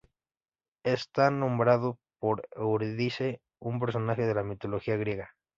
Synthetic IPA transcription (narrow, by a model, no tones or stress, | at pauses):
est̪anõ̞mbɾaðopo̞ɾewɾðise | umpe̞ɾs̬o̞naxeðe̞lamit̪o̞lo̞xiaɣ̞ɾje̞ɣa